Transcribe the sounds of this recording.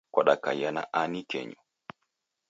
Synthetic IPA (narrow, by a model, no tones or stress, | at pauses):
kwaɗaka̰jana̰ʔanikɛ̰ɲɔ